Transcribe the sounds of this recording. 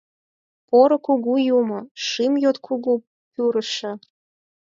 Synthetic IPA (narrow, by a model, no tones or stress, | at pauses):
poɾokuɣujumoʃɨmjot̪kʰuɣu | pyɾəʃĕ